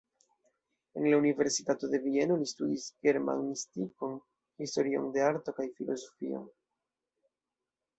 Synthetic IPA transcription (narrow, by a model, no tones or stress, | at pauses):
e̞nlaunive̞ɾsitato̞de̞vie̞no̞listudisɡe̞ɾma̰ŋnistiko̞n | histo̞ɾio̞̰nde̞aɾto̞kajfilo̞zo̞fḭo̞̰n